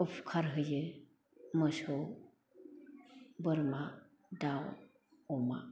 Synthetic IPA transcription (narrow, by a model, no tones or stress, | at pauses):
əpʰkʰaɾɦəje | məsəw | bəɾma | d̪aw | oma̰